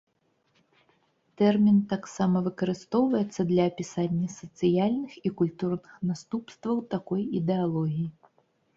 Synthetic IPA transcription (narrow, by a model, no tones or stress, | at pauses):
t̪ɛrmʲint̪aksamɐvɨkɐɾɨst̪ɔwvɐjɛt̪sːɐd̪lʲɐːpʲisanʲːɐsɐt̪sɨjalʲnɨxikulʲt̪urnɨxnast̪upst̪vɐwt̪akɔjid̪ɛalˠɔɣʲiji